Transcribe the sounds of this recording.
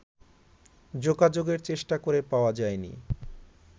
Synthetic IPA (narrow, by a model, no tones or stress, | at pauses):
d͡ʑoɡad͡ʑoɡeɾt͡ɕeʃʈakoɾepaoad͡ʑaenḭ